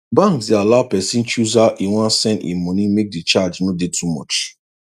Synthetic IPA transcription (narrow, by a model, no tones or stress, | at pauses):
bãŋksdealapɛsĩnt͡ʃuzaʔiwãnsɛ̃nḭ̃mɔnĩmek̚dit͡ʃad͡ʒnodetʰumɔ̰t͡ʃ